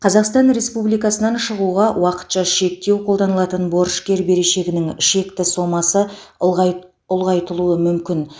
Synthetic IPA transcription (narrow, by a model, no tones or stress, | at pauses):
qʰɑzɑqst̪ɑnɾe̞spublijkɑsənɑnʃəʁuʁɑwɑqə̥t̪ʃɑʃe̞k̚t̪e̞wqʰo̞lˠd̪ɑnəlˠɑt̪ənbo̞ɾʃkʲe̞ɾbe̞ɾe̞ʃe̞ɡʲɪnɪŋʃe̞kt̪ɪso̞mɑsə | ʊlˠʁɑjt̪əlˠuəmʏmkʲɪn